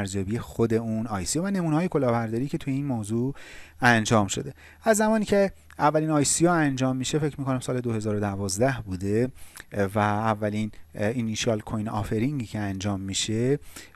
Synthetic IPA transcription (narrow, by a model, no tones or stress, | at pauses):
ɾzjɒːbijexod̪e̞unɒːjsijɑvæne̞muːnehɒːje̞kʰo̞lɒːbæɾd̪ɒːɾiːcʰe̞t̪ʰujeinmoːzuːænd͡ʒɒːmʃo̞d̪e̞ | æzːæmɒːniːcʰe̞ | ævːæliːnɒːjsijɒːænd͡ʒɒːmːiʃe̞fe̞cʰmiːkʰo̞næmsɒːle̞d̪ohe̞zɒːɾod̪ævɒːzd̪æhbuːd̪e̞ | væːvːælininːiʃɒːlkʰojnɒ̰ːfeɾiŋɡiːcʰeænd͡ʒɒːmːiʃe̞